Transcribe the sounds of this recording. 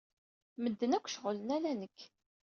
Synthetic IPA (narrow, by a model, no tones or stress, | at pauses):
məd̪ːənækʷːʃʁələnælænəkː